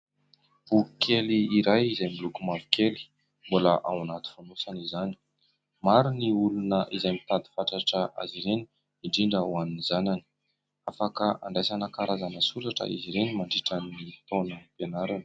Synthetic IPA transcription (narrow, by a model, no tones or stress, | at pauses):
ukʰeliiɾajizajmilukumavi̥kʰeli̥ | mbulaʔa̰wanat̪u̥fanosanizani̥ | maɾiniulunəʔizajmit̪ad̪i̥faʈ͡ʂaʈ͡ʂəʔa̰ziɾeni̥ | iɳɖ͡ʐiɳɖ͡ʐəwaninizanani̥ | afakəa̰ɳɖ͡ʐajsanakaɾazanəsuɾaʈ͡ʂə̰ʔḭziɾenimaɳɖ͡ʐiʈ͡ʂanːit̪onəpenaɾanə̥